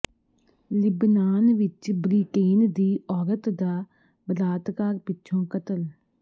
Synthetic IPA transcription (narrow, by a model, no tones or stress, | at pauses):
lɪbnaːnʋɪt͡ʃbɾiːkeːnd̪iːʔɔːɾət̪d̪aː | bəd̪aːt̪kaːɾpɪtːʃʰõːkət̪əl